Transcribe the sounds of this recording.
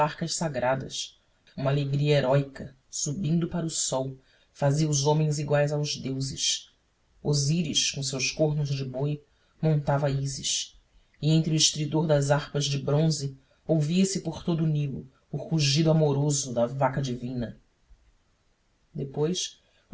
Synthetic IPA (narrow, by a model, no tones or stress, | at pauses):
aɾkɐʃsaɡɾad̪ɐ̰s | ũmɐaleɡɾiɐeɾɔjkɐ | subĩnd̪ʊpaɾʊsɔw | faziɐuzõmẽj̃ziɡwajzawzd̪ewzɪ̰ʃ | oziɾiʃkõsewskoɦnʊzd͡ʒɪboj | mõnt̪avɐizɪʃ | iẽnt̪ɾɪuiʃt̪ɾid̪oɾd̪ɐzaχpɐzd͡ʒɪbɾõzɪ | owviɐsɪpoɾt̪od̪ʊːnilʊ̰ː | χuʒid̪ʊamoɾozʊd̪ɐvakɐd͡ʒivĩnɐ | d̪epojʃ